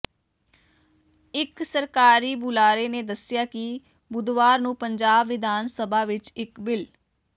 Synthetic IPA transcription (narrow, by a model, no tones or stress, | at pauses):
ɪksəɾkaːɾiːbʊlaːɾeːneːd̪əsɪjaːkɪ | bʊd̪ʋaːɾnũːpəɲd͡ʒaːbʋɪd̪ʱaːnsəbʱaːʋɪt͡ʃɪkbɪl